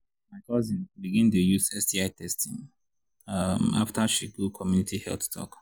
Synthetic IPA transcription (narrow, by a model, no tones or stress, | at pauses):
maɪkʰɔzĩnbiɡĩntujusɛstiaɪtʰɛstĩŋ | ama̰ftaʃiɡukʰɔmjunitihɛ̰lθtʰɔ̰k